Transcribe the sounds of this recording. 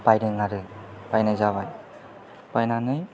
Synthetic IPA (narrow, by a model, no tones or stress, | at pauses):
bajɾɯŋaɾɯb̥ajnajzaβaj | b̥ajnanɯj